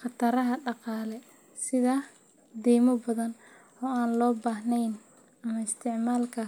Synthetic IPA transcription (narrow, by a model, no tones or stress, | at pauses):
χɑt̪ʰɐɾɐɦɐɖɑqɑːlɛ | sɪðɐ | d̪iːmɔbɐðɐn | ɔːaːnlɔːbaːhnɛjn | ɐmɐɪst̪ʰɪʕmaːlkʰɐ